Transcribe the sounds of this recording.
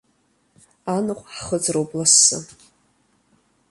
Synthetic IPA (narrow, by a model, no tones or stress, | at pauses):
anɨqʷʼħχəd͡zʼrowblasːɨ̰